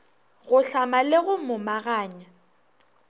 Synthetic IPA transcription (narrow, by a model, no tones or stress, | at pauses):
ɣʊɬamaleɣʊmʊmaɣaːɲa